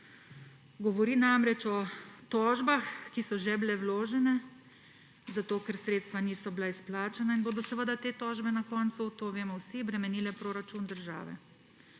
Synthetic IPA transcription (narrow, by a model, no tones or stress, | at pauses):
ɡɔʋɔɾinamɾɛt͡ʃɔt̪ɔːʒbaxkisɔʒɛbilɛwloːʒɛnɛ | zat̪oːkɛɾsɾeːt̪st̪ʋaniːsɔblaisplaːt͡ʃanainboːd̪ɔsəʋəd̪at̪eːt̪ɔːʒbɛnakɔnt̪sut̪oːʋeːmɔwsibɾɛmɛniːlɛpɾoːɾat͡ʃund̪əɾʒa̰ːʋɛ̰